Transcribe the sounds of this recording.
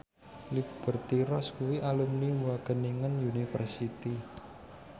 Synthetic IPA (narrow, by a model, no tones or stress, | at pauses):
lib̥ərt̪iɾɔskuwiʔalumnimuwaɡ̥ə̤niŋənjunifə̰rsit̪i